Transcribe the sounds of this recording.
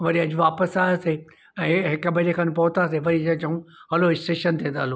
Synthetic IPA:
ʋɐɾiɐd͡ʑʋaːpəsaːjaseː | ɛ̃ːɦɪkɐbʱɐɾekʰɐnɪ̆pɐɦʊt̪aseʋɐɾid͡ʑɐd͡ʑũɦɐloɪsʈeːʃənt̪ʰẽːnd̪aːloː

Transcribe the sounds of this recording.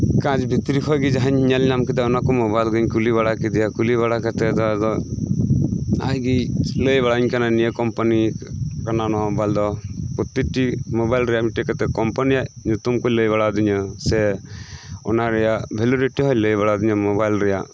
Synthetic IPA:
kãd͡ʒbʱit̪ɾikʰɔjɡid͡ʒaɦaɲɲalnamkid̪aɔnakɔmɔbajlɡɯɲkuliβaɽakɛd̪ijakuliβaɽakat̪ɛd̪ɔd̪ɔ | a̰jɡiləjβaɽaɲkananijəkɔmpanikananɔɔbajld̪ɔpɔt̪iʈimɔbajlɾɛjamiʈikat̪ɛkɔmpanijaʔɲut̪umkɔləjβaɽad̪iɲəsɛ | ɔ̰naɾɛjabʱɛluɾiʈːiɦɔjləjβaɽad̪iɲɔmɔbajlɾɛja̰

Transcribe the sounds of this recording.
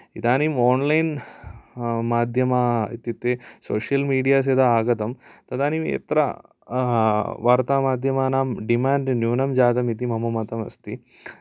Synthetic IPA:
it̪aːnimoːnlɐjn | maːd̪ʱjɐmaːḭt̪jut̪ːeːsoːʂjɐlmiːɖijaːs̬ed̪aaːɡɐt̪ɐmt̪ɐd̪aːnimḛt̪ɾɐ̰ | ʋaːɾt̪aːmaːd̪ʱjɐmaːnaːmɖimaːɳɖnjuːnɐmd͡ʒaːd̪ɐmit̪imɐmɐmɐt̪ɐmɐ̰st̪i

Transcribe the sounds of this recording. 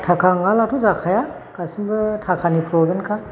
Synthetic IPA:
tʰakʰaŋalatʰuzakʰaja | kasiŋbɯtʰakʰanipʰɾɔbɯnkʰa

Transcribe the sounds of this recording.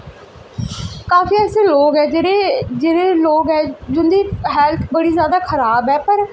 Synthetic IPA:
kaːfiːɛːsẽːloːɡɛːd͡ʒeed͡ʒeːɽeːloːɡɦɛːd͡ʒʊnd̪iːɦɛːlt̪ʰbəɽiːzjaːd̪aːkʰəɾaːbɦɛːpəɾ

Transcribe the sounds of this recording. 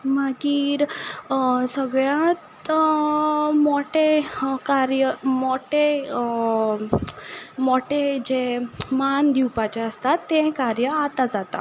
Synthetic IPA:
maɡiːɾ | səɡɭjãt̪ | moʈekaɾjəmoʈe | moʈed͡ʑemand̪iwpat͡ɕeəst̪at̪ːẽkaɾjəat̪ad͡zat̪a̰

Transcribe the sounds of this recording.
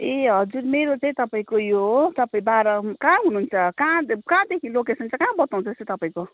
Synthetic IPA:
eɦʌd͡zurmeɾot͡saĩt̪ʌpaĩkojot̪ʌpaĩbaɾʌkãɦunuunt͡sʰʌkãkãd̪ekʰilokesʌnt͡sʰʌkãːbʌt̪aw̃t͡sʰʌest̪ot̪ʌpaĩko

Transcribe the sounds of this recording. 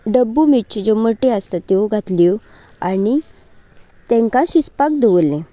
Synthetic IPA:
ɖəbːumit͡ɕd͡ʑoməʈeəst̪at̪ːeoɡʱat̪li | ani | t̪ɛ̃ŋkãɕispak̚d̪eʋəlːẽ

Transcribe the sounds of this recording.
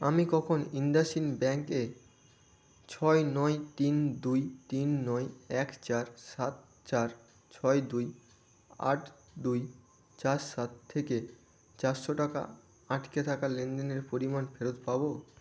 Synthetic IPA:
amikɔkʰonind̪asinbɛŋke | t͡ɕʰɔenɔet̪ind̪ujt̪inːɔeɛkt͡ɕaɾsat̪̚ | t͡ɕaɾ | t͡ɕʰɔed̪uj | a̰ʈ | d̪uj | t͡ɕaɾʃat̪ʰːeke | t͡ɕaɾʃoʈaka̰ | aʈket̪ʰakalend̪eneɾpoɾimanfeɾot̪pabo

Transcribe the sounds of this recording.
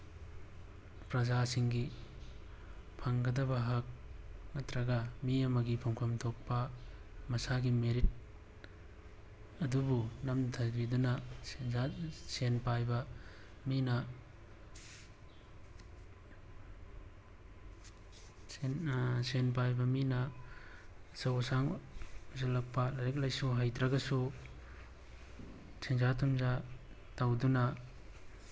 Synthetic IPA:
pɾɐzasiŋɡi | pʰɐŋɡɐdɐbɐɦɐk̚nɐtɾɐɡɐmiɐmɐɡipʰɐŋpʰɐmtʰok̚pɐmɐsaɡimeɾit̚ | ɐdubunɐmtʰɐbidunɐasenpajbɐ | minɐ | nsenpajbɐminɐ | sɐwsaŋzalɐk̚pɐlaɾek̚lajsuɦajtɾɐɡɐsu | sʰeŋzatʰumza | tawdunɐ

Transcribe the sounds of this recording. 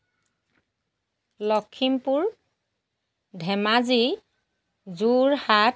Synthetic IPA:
lɔkʰːimpuɹ | dʱɛmazi | zuɹhat

